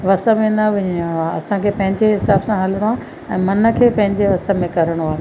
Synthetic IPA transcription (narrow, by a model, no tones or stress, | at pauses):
ʋɐsəmẽnɐʋɪ̃ɲĩaːɐsãkʰeːpɐ̃ɦɪ̃ɲd͡ʑeɦɪsaːbsãɦɐləɽ̃oɦaː | ɛ̃ːmɐnə̆kʰeːpɐ̃ɦɪ̃ɲd͡ʑeʋɐsəmẽkɐɾəɽ̃aː